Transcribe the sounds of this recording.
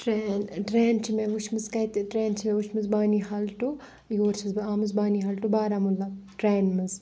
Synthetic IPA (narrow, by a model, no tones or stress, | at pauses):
ʈɾeːnʈɾeːnt͡ʃʰimeʋuʃʰmɨzkɐt̪ʈɾeːnt͡ʃʰimeʋut͡ʃʰmɨzbaːniɦaːlʈu | ɡoːɾt͡ʃʰmɨzbaːmɨzbaːniːɦaːlʈubaːɾamulːaʈɾeːnmɐz